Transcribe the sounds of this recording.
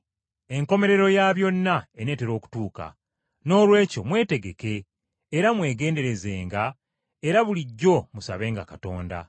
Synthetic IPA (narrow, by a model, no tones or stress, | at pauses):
e̞ŋko̞me̞ɾe̞ɾo̞jaβjo̞nːae̞ne̞ːte̞ɾo̞ːku̥tuːka̰ | no̞ːlwe̞ːco̞mwe̞ːte̞ɡe̞ke̞ː | ɾamwe̞ːɡe̞ːnde̞ɾe̞ze̞ːŋɡa | e̞ɾaβuliɟːo̞musa̰βe̞ːŋɡa̰kato̞ːnda̰